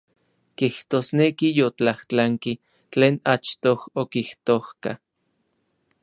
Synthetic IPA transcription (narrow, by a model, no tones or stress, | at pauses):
kiht̪oːsnekijot͡ɬaht͡ɬaŋki | t͡ɬeːnat͡ʃt̪ohokiht̪ohka̰